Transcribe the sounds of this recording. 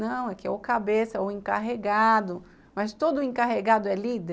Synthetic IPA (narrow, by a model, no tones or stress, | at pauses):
nɐ̃w̃ɛkɪɛ̰okabesɐʊẽŋkaɦeɡad̪ʊ | mɐst̪od̪ʊẽkaɦeɡad̪ʊɛlid̪e